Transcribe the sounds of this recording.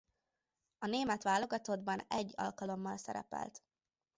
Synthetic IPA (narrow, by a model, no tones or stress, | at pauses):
ɒneːmɛt̪ʋaːlo̞ɡɒt̪o̞d̪bɒnɛɟːɒ̰lkɒlo̞mːɒlsɛɾɛ̰pɛ̰lt̪